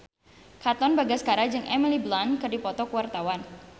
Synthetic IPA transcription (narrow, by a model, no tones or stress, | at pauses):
kat̪ɔnbaɡasə̥kaɾad͡ʒɨŋʔɛmiliblankərdipɔt̪ɔkəwart̪awan